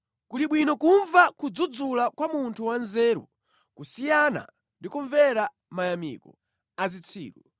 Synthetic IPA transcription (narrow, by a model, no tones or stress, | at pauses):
kuliɓwinɔkuɱvakud͡zud͡zulakwamuntʰuwanzɛːɾṵ | kusijana̰ | ndikuɱvɛɾa | majamḭkɔ̰ | azit͡sʰḭːɾṵ